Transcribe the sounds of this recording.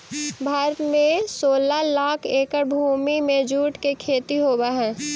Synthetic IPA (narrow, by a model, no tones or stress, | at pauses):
bʱaːɾət̪mẽsoːlalaːkʰeːkəɾbʱuːmimẽd͡ʒuːʈkekʰeːt̪iɦoːbaɦɛ̃ː